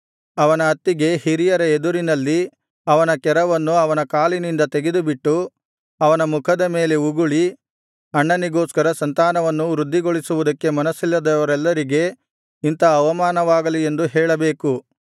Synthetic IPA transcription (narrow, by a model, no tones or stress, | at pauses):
ɐʋɐnɐːt̪ːiɡe̞hiɾijɐɾɐed̪uɾinɐlːi | ɐʋɐnɐkɛɾɐʋɐnːuɐʋɐnɐkaːlinind̪ɐt̪eɡe̞d̪ubiʈːu | ɐʋɐnɐmukʰɐd̪ɐme̞ːle̞uɡuɭi | ɐɳːɐniɡoːskɐɾɐsɐnt̪aːnɐʋɐnːuɾud̪ʱːiɡoɭisuʋud̪ɐkːe̞mɐnɐsilːɐd̪ɐʋɐɾɛlːɐɾiɡe̞ | int̪ɐːʋɐmaːnɐʋaːɡɐlie̞nd̪uɦɛːɭɐbeːku